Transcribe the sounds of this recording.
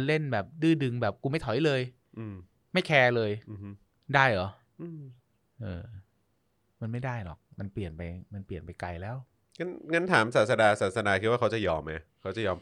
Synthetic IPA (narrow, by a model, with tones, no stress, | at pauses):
le˥˩nbɛː˨˩p̚dɯː˥˩dɯ˧ŋbɛː˨˩p̚kuː˧ma˥˩jt̪ʰɔ˨˩˦jlɤː˧j | ʔɯː˧m | ma˥˩jkʰɛː˧lɤː˧jm˦˥ | daː˥˩jʔɔ˨˩˦ | ʔɯː˧m | ʔɤː˧˩ | ma˧nma˥˩jdaː˥˩jlɔ̰˨˩k̚ma˧npli˨˩ənpa˧jma˧npli˨˩ənpa˧jka˧jlɛː˦˥˩w | ŋɤ˧˥nŋɤ˧nt̪ʰaː˩˦msaː˨˩sa˧daː˧saː˨˩t̪̚sa˧daː˧kʰi˦t̪̚wa˥˩a˦˥wt͡ɕa˨jɔː˧mʔa˦kʰa˦˥wt͡ɕa˨˩jɔː˧